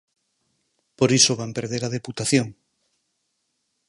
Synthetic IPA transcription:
poɾisoβ̞ampeɾðeɾað̞eput̪aθjoŋ

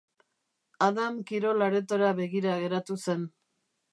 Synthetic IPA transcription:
aðamkiɾo̞laɾe̞t̪oɾaβe̞ɣiɾaɣe̞ɾat̪use̞n

